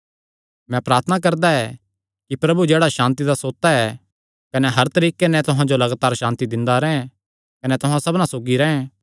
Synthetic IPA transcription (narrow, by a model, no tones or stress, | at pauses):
mɛ̃pɾaːɾt̪ʰənak̬ɐɾd̪aɛ | kipɾɐbud͡ʒeːɽaʃãːnt̪̬id̪asoːt̪ːaɛ | kɐnɛɦɐɾt̪ɐɾiːkenɛ̃t̪ʊɦãd͡ʒolɐɡaːt̪aːɾʃãːnt̪id̪ɪ̃nd̪aɾɛːɦɛ̃ | kɐnɛt̪ʊɦãsɐbnãsoːɡiɾɛɛ̃